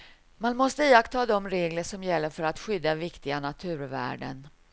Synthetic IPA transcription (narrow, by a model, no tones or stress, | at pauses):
manmɔst̪əiːakt̪ʰɑːd̪ɔmɾeːɡləʂɔmjɛlːəɾfœɾat̪ɧʏd̪ːavɪkt̪ɪɡanat̪ʰʉ̟ːɾvæ̰ːɖə̰n